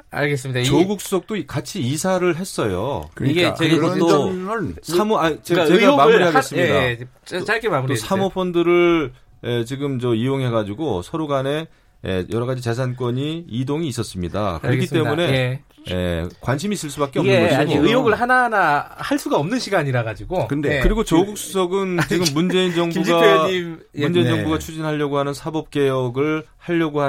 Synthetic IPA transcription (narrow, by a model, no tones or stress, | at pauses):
a̰ɭɡes͈ɯmidat͡ɕoɡuk̚s͈u̥s͈ok̚t͈okat͡ɕʰiisʰaɾɯɭɦe̞s͈ʌjo̰iɡet͡ɕto | sʰamoat͡ɕeaeomamuɾiɦaɡess͈ɯɲida | t͡ɕaɭk͈emamuɾtoisʰamopʰondɯɾɯɭ | et͡ɕiɡɯmt͡ɕʌijoŋɦe̞ɡad͡ʑiɡosʰʌɾoɡane̞ | ḛjʌɾʌɣad͡ʑit͡ɕe̞s̬ʰank̬͈wʌɲiidoŋiːs͈ʌs͈ɯmɲida̰kɯɾʌɡkʰit͈e̞mune̞ | jḛkwanɕʰimiːs͈ɯɭs͈ubak͈eɡmeɡoɯjoɡɯɭɦananahaɭs͈uɡaʌmnɯnɕʰiɡaɲiɾaɡad͡ʑiɡokɯndekɯɾiɡot͡ɕʌɡuk̚s͈usʰʌɡɯnt͡ɕiɡɯmːund͡ʑe̞ind͡ʑʌŋbuɡaim | mund͡ʑeiʌŋbuɡat͡ɕʰud͡ʑinɦaʎːjʌɡoɦanɯnsʰabʌp̚k͈e̞jʌɡɯɭhaʎːʌɡoha